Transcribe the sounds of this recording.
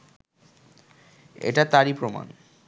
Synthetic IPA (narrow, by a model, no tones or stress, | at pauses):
ḛʈat̪aɾipɾoma̰n